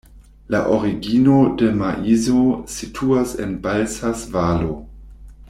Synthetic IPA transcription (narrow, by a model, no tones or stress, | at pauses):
la̰ʔoɾiɡino̞de̞maʔizositʰuasenbalsasvalo